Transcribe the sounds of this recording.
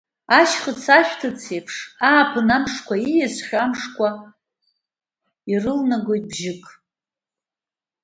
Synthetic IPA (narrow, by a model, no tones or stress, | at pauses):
aʃχət͡sʰaʃᶣtʰɨt͡sʰejpʰʂaːpʰɨnamʂkʷaijazʷχʲamʂkʷʼa | irɨlnaɡo̞jt̚ʼbʒɪkʼ